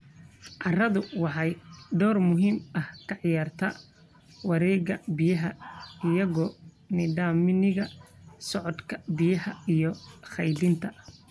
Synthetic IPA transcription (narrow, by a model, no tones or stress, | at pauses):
ʕɑrɐðʊwɑħɑjɖɔːrmʊɦiːmɐhkʰɑʕjaːrt̪ʰɐ | wɑɾɛːɣɐbɪjɐɦɐɪjɐɣɔː | nɪɖaːmɪnɪɣɐ | sɔʕɔd̪kʰɐ̥bɪjɐhɐijɔχɑjlɪnt̪ʰɐ